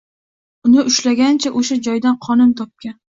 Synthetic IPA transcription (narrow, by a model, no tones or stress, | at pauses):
ʊnɪʔʊʃlaɡʲant͡ʃʰaʔoʃad͡ʒɒjd̪anqʰɒnɪmt̪ʰɒp̚kʲan